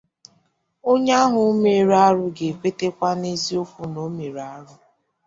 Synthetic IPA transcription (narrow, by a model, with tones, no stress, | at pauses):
o˦ɲa˦ɦʊ˦me˨ɾa˦ɾʊ˦ɡe˨kʷe˦te˦kʷa˦ne˦zi˦o˦fu˨no˦me˨ɾa˦ɾʊ˦